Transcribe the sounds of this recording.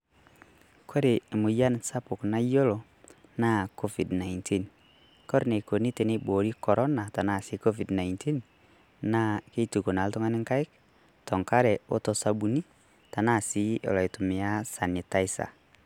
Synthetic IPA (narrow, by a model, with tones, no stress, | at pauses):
kʰe˦ɾe˨mo˨ja˦nsa˦po˨kna˦jo˦lɔ˨ | na˦˨kɔ˦vi˨dna˨inti˦n | kɔ˦ɾne˨ko˨ni˦te˨ne˦bo˨ɾi˦kɔ˨ɾɔ˦na˨ta˨na˦˨si˨˦kɔ˦vi˨dna˨intʰi˦n | na˦ke˦tu˨ko˨na˨ltɔ˦ŋa˦ni˦ŋka˦i˦k̚ | tɔ˨ŋka˦ɾɛ˨o˦tɔ˨sa˨bu˨ni˦ | ta˨na˦˨si˨˦ʔɔ̰˨la˨e˨to˨me˨a˦sa˨ni˨ta˦i˦sa̰˨